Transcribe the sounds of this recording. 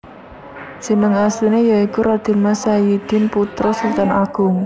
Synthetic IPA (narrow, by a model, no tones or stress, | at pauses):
si̤nəŋast̪inejaikuɾad̪̥ɪ̤nmasajid̪̥ɪ̤nput̪ɾɔsəlt̪anaɡ̥ʊŋ